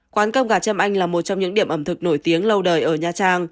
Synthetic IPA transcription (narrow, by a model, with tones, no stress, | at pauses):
kwaː˨˦nkə˧wŋ͡mɣaː˧˩t͡ɕə˧mʔa˧jŋlaː˨˩mo˨˩t̚t͡ɕɔ˧ŋ͡mɲɨ̰˧˥ɗi˧˩əmʔə˧˩mt̪ʰɨ˨˩k̚no˧˩jt̪i˨˦əŋlə˧wɗəː˨˩jʔəː˧˩ɲaː˨˧˩t͡ɕaː˧ŋ